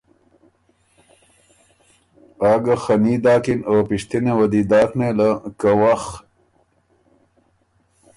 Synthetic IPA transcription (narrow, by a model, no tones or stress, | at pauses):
aːɡaxanid̪ɑːkinopiʂt̪inewɐd̪id̪ɑːknelakawax